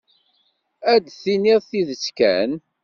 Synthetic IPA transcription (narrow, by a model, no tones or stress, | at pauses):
æd̪θiniðθiðət͡sːkæ̰n